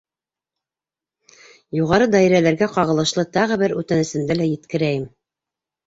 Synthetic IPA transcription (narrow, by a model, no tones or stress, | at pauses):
juʁɑɾɤd̪æiɾælæɾɡæqɑʁɤ̆lˠɤ̆ʃlˠɤt̪ɑʁɤ̆bɘɾʉt̪ænɘ̆sɘ̆nd̪ælæjɘ̆t̪kɘ̆ɾæjɘm